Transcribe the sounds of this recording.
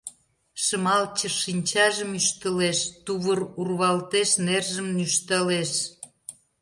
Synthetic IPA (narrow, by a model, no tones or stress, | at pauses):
ʃəmɑlt͡ɕəʃinʲt͡ɕɑʒəmyʃt̪ə̆leʃt̪uβərurβɑlt̪eʃnerʒəmnyʃt̪əleʃ